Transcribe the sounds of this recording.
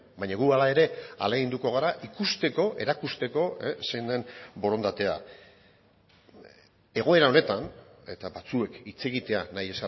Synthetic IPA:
baɲaɣualae̞ɾe̞a̰leɣind̪uko̞ɣ̞aɾaʔikust̪e̞ko̞ʔe̞ɾakust̪e̞ko̞eseind̪e̞nbo̞ɾo̞nd̪at̪e̞a̰ | e̞ɣ̞o̞e̞ɾao̞ne̞t̪ane̞t̪abat͡sue̞kit͡se̞ɣit̪e̞anaje̞sa

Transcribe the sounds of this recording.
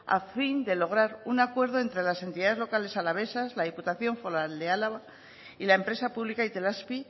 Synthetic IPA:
a̰find̪e̞lo̞ɣ̞ɾaɾunakwe̞ɾð̞oe̞nt̪ɾe̞lase̞nt̪iðaðe̞zlo̞kale̞salaβ̞e̞sazlaðiput̪aθjo̞ɱfo̞ɾald̪ealaβa | ilaempɾe̞sapuβlikait̪e̞laspi

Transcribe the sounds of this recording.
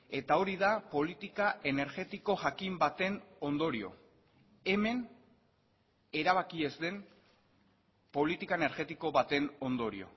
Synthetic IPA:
e̞t̪ao̞ɾiðapo̞lit̪ikaʔe̞ne̞ɾɣe̞t̪iko̞ʝakimbat̪e̞no̞nd̪o̞ɾio̞̰ | e̞me̞n | e̞ɾaβ̞akie̞zd̪e̞n | po̞lit̪ikaene̞ɾɣe̞t̪iko̞βat̪e̞no̞nd̪o̞ɾḭo̞̰

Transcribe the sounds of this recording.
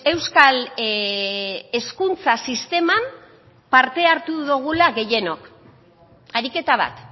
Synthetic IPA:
e̞wskal | e̞skunt͡sasist̪e̞mam | paɾt̪e̞aɾt̪uðuɣ̞ulaɣe̞je̞no̞k | aɾike̞t̪aβ̞a̰t̪

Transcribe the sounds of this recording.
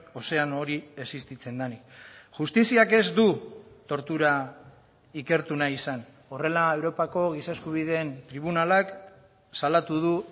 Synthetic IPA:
o̞se̞ano̞ɾie̞sist̪it͡se̞nd̪anikʝust̪isiake̞zd̪ut̪o̞ɾt̪uɾa | ike̞ɾt̪unaisan | o̞re̞lae̞wɾo̞pako̞ɣ̞isaeskuβ̞ið̞e̞ːnt̪ɾiβ̞unalak | salat̪uð̞u

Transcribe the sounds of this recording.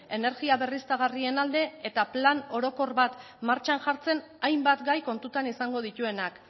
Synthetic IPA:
e̞ne̞ɾɣiaβe̞rist̪aɣ̞arie̞nald̪e̞et̪aplano̞ɾo̞ko̞rβat̪ | maɾt͡ʃanʝaɾt͡se̞n | ajmbat̪ɡajko̞nt̪ut̪anisaŋɡo̞ð̞it̪ue̞nak

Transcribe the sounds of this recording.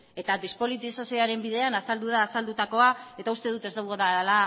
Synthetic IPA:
e̞t̪adispo̞lit̪isasio̞aɾe̞mbiðe̞anasald̪uðaːsald̪ut̪ako̞ae̞t̪aust̪e̞ð̞ut̪e̞zd̪awɣoðaala

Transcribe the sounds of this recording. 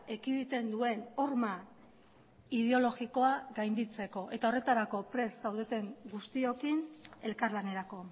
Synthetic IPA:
ekiðit̪e̞nd̪ue̞no̞ɾma | ið̞e̞o̞lo̞ɣiko̞aɡajnd̪it͡se̞ko̞ʔe̞t̪ao̞re̞t̪aɾako̞pɾe̞sːawð̞et̪e̞ŋɡust̪io̞kine̞lkarlane̞ɾako̞

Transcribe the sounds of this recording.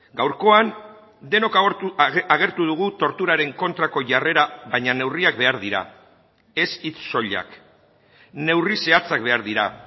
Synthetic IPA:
ɡawɾko̞an | d̪e̞no̞k | aɣe̞ɾt̪uð̞uɣ̞ut̪o̞ɾt̪uɾaɾe̞ŋko̞nt̪ɾako̞ʝare̞ɾaβajɲane̞wriakbe̞aɾðiɾa̰ | e̞sit͡sːo̞ʎa̰k | ne̞wrise̞at͡sak̚be̞aɾðiɾa̰

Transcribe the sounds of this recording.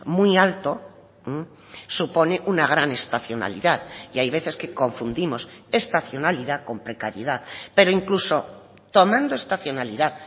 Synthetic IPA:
mialt̪o̞ | supo̞ne̞ʔunaɣ̞ɾane̞st̪aθjo̞na̰lḭðaðiajβe̞θe̞ske̞ko̞ɱfund̪imo̞se̞st̪aθjo̞naliðako̞mpɾe̞kaɾjeð̞aðpe̞ɾoiŋkluso̞ | t̪o̞mãnd̪oe̞st̪aθjo̞naliðað

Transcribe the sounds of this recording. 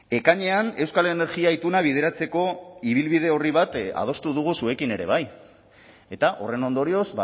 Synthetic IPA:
e̞kaɲe̞ane̞wskale̞ne̞ɾɣiait̪unaβ̞ið̞e̞ɾat͡se̞ko̞iβ̞ilβið̞e̞o̞riβ̞at̪a̰ð̞o̞st̪uðuɣ̞usue̞kine̞ɾe̞̰βaj | e̞t̪aʔo̞re̞no̞nd̪o̞ɾio̞zba

